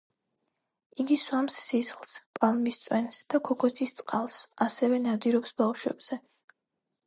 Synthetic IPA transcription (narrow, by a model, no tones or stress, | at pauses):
iɡiswamsːisχlˠspʼalˠmist̪sʼwɛnsd̪̥akʰɔkʰɔsʰist̪sʼqʼalˠsasɛvɛnad̪iɾɔpsbafʃwɛ̰b̥z̥ɛ